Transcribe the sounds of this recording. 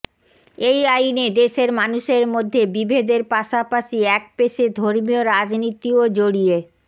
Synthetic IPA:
ejajned̪eʃeɾmanuʃeɾmod̪ʱːebibʱed̪eɾpaʃapaʃiɛk̚peʃed̪ʱoɾmioɾad͡ʑnit̪iod͡ʑoɽie

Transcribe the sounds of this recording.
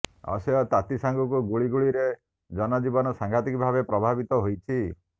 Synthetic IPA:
ɔ̰seɔt̪at̪isaŋɡɔkuɡuɭiɡuɭiɾe | d͡ʒɔnɔd͡ʒibɔnɔsaŋɡʱat̪ikbʱabepɾɔbʱabit̪ɔɦojt͡ʃʰi

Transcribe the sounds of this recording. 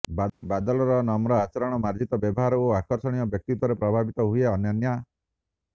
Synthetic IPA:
bbad̪ɔlɔɾɔnɔmɾɔat͡ʃɔɾɔɽ̃ɔmaɾd͡ʒit̪ɔbjɔbɔɦaɾɔoakɔɾsɔɽ̃ijɔbjɔk̚t̪it̪wɔɾepɾɔbʱabit̪ɔɦujeɔnjɔnja

